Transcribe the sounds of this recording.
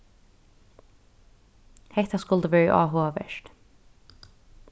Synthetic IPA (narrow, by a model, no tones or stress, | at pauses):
hɛht̪askʊlt̪əvɛːɹə̰ʔɑ̰ːɦoːaʋɛ̰ʃt̪